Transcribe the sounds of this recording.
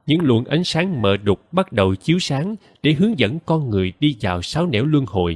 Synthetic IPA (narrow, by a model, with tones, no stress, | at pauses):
ɲɨ̰˧˥ŋlwə̰˧˩nʔa̰˨˦jŋ̟saː˨˦ŋməː˨˩ɗʊ˨˩k͡p̚ɓa˦˥t̚ɗə˨˩wt͡ɕi˨˦əwsaː˨˦ŋ | ɗe˧˩ɦɨ˨˦əŋzə̰˧˥nkɔ˧nŋɨ˨˩əjɗi˧vaː˨˩wsaː˨˦wnɛ̰˧˥wlwɨ˧əŋho̰˧˨j